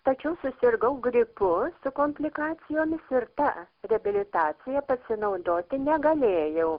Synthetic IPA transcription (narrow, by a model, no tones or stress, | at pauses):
t̪ɐt͡ʃʲɛʊsʊsʲɪrɡɐʊɡɾʲɪpʊsʊkoːmʲpʲlʲɪkɑːt͡sʲɪjoːmʲɪsɪrt̪ɑ | rʲɛɐbʲɪlʲɪt̪ɑːt͡ssʲɪjɛpɐsʲɪnɐʊd̪oːt̪ʲɪnʲɛɡɐlʲeːjɛʊ